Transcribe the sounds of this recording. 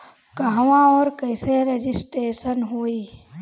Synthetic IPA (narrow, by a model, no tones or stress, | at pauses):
kəɦʋãɔːɾkəɪseɾed͡ʒɪsʈeːʃənɦoːiː